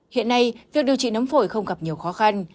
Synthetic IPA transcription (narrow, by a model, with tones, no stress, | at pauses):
hḭ˧˨ənːa˧jvi˨˩k̚ɗi˨˩əwt͡ɕḭ˧˨nə˨˦mfo˧˩jxə˧wŋ͡mɣa˨˩p̚ɲi˨˩əwxɔ˨˦xa˧n